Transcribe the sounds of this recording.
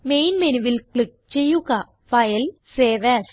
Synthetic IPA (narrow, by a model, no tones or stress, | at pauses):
mejnmeniʋilkɭik̚t͡ɕejːuɣɐ | fɐjɐlseːʋɛs